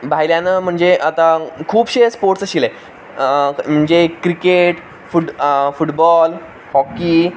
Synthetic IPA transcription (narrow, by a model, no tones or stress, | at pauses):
bʱajljãnəm̤əɳd͡zeʔət̪akʰuːbɕespoɾʈsəɕile | m̤əɳd͡zekːɾikeʈ | fuʈfuʈbɔl | hɔki